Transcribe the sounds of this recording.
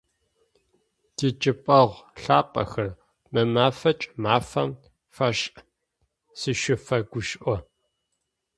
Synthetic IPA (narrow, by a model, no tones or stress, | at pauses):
d̥it͡ʃʼɪpʼɐʁʷɬaːpʼɐ̰xɐr | mɨmaːfɐt͡ʃʼmaːfɐm | fɐɕʼ | sɨʃɪfɐɡʷʊʃʔʷɔ